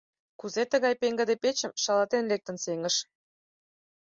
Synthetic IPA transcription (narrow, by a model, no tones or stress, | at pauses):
kuzet̪əɣɑjpeŋɡə̆d̪epet͡ɕə̆mʃɑlɑt̪enlek̚t̪ə̆nseŋəʃ